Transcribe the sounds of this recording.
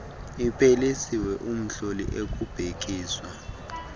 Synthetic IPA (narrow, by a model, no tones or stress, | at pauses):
ipʰelisiwɛʔum̩ɬolḭʔek̬ʼub̥ʱek̬iːswa